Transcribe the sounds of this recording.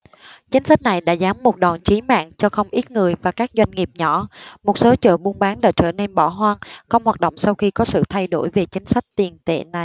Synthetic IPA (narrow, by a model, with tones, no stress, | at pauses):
t͡ɕï˨˦ŋ̟sa˦˥jk̚na˨˩jɗa̰ː˧˥zaː˨˦mːo˨˩t̚ɗɔ˨˩nt͡ɕi˨˦ma̰ː˧˨ŋt͡ɕɔ˧xə˧wŋ͡mʔi˦˥t̚ŋɨ˨˩əjvaː˨˩kaː˦˥k̚zwa˧jŋ̟ŋi˨˩əp̚ɲɔ̰˧˥mo˨˩t̚so˨˦t͡ɕə̰ː˧˨ɓu˧ənɓaː˨˦nla̰ː˧˩t͡ɕə̰ː˧˩nɛ˧nɓɔ˧˩ɦwaː˧nxə˧wŋ͡mhwaː˨˩t̚ɗo̰˧˨wŋ͡msa˧wxi˧kɔ˨˦sɨ̰˧˨t̪ʰa˧jɗo̰˧˩jve˨˩t͡ɕï˨˦ŋ̟sa˦˥jk̚t̪i˨˩ənt̪ḛ˧˨na˨˩j